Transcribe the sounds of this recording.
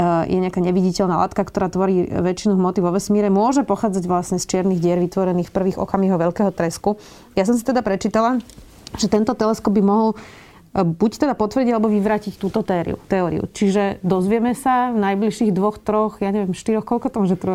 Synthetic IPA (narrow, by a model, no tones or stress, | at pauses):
jʔɛɲɪakaːɲɛʋiɟicɛʎnala̰ːt̪kakt̪ɔɾaːt̪ʋɔɾiːʋɛt͡ʃinuɦmɔt̪iʋɔʋɛsmiːɾɛmʊɔʒɛpɔxaːd͡zaɟʋlasɲɛst͡ʃɪɛɾniɣɟɪɛɾʋit̪ʋɔɾɛniːxfpr̩ʋiːɣɔ̰kamɛɦɔʋɛʎkɛɦɔt̪ɾɛsku | jas̬ɔms̬i̥t̪ɛd̪apɾɛt͡ʃiːt̪ala | ʒ̥ɛt̪ɛnt̪ɔt̪ɛlɛskɔbbimɔɦɔl | buct̪ɛd̪apɔt̪ʋr̩ɟiɟalɛbɔʋiʋɾaːcict̪uːt̪ɔt̪ɛːɾḭṵt̪ɛɔːɾḭṵt͡ʃiʒɛd̪ɔzʋɪɛmɛsavnajbliʃiːɣd̪ʋɔxt̪ɾɔxjaɲɛʋɪɛmʃt̪iɾɔxkɔʎkɔt̪ɔmɔʒɛt̪ɾɔ